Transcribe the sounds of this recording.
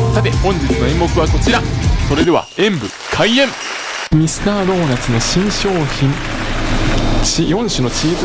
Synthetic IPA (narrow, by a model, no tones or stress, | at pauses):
sat̪e̞hõ̞ɲ̟d͡ʑit͡sɨnoẽ̞mːo̞kɯ̟βako̞t͡ɕiɾaso̞ɾe̞d̪e̞βa̰ẽ̞mbɯ̟ | kʰaiẽ̞m | mʲisɨ̥t̪aːɾo̞ːnat͡sɨno̞ɕĩɰ̃ɕo̞ːçĩɴ | t͡ɕijõ̞ɰ̃ɕɨno̞t͡ɕiːz